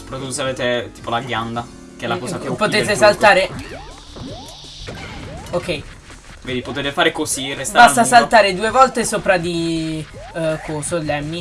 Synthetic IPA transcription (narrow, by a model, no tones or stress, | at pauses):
so̥pɾat̪ːut̪ːoseaveːt̪et̪i̥ːpolaɡjand̪a | keɛlakɔːsakpot̪eːt̪esalt̪aːɾe | okɛj | veːd̪ipot̪eːt̪efaːɾekozirestb̪abast̪asalt̪aːɾed̪uːevɔlt̪esoːpɾad̪i | kosolːɛmːi